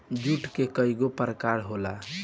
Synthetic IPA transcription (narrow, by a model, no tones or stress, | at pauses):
d͡ʒuʈkekəiɡopəɾəkaɾɦola